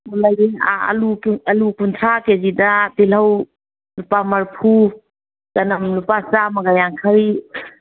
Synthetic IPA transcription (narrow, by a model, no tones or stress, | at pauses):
ulajdia̰ɐ̰luɐlukuntʰɾakezidɐbilɐw | lupamɐɾpʰu | kɐnɐmlupasamɐɡajaŋkʰɐɾi